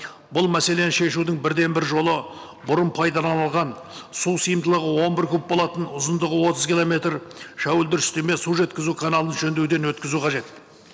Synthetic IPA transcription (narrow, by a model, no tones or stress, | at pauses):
bʊlˠmæse̞le̞nʃe̞ʃud̪ɪŋbɪɾd̪e̞nbɪɾʒo̞lˠə | bʊɾəmpʰɑjd̪ɑlˠɑnɑlˠʁɑn | susijəmd̪əlˠəʁəwo̞nbɪɾkʲʰɵp̚bo̞lˠɑt̪ənʊzənd̪əʁəwo̞t̪əzkʲilˠome̞t̪ɾʃæwɪld̪ɪɾɪst̪e̞me̞suʒe̞t̪kʲɪzukʰanɑlˠənʒɵnd̪ewd̪e̞nwɵt̪kʲɪzuqʰɑʒe̞t̪